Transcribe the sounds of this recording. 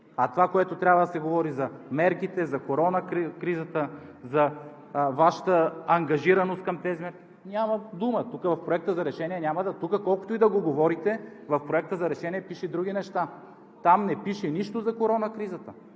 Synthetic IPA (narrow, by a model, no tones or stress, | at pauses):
ɐt̪ovakoɛt̪ot̪ɾʲabvəd̪ɐsɛɡovɔɾizɐmɛɾkit̪ɛzɐkoɾɔnɐkkɾizət̪əzɐ | vaʃə̥t̪əɐŋɡɐʒiɾɐnost̪kɐmt̪ɛzimɛɾki̥ | nʲamɐd̪umət̪ukəvɐfpɾoɛk̚t̪əzɐɾɛʃɛniɛnʲamɐd̪ɐt̪ukəkɔlˠko̥t̪oid̪ɐɡoɡovɔɾit̪ɛvɐfpɾoɛk̚t̪əzɐɾɛʃɛniɛpiʃɛd̪ɾuɡ̟ʲinɛʃt̪a | t̪amnɛpiʃɛniʃt̪ozɐkoɾɔnɐkɾizət̪ə